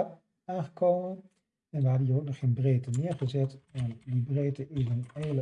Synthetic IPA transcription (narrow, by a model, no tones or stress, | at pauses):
aːnχəkʰoːmən | ɛnʋəɦadənjoːk̚nɔχxeːnbreːtənɪːəɹχəzɛtɛndibreːtəɪsənelə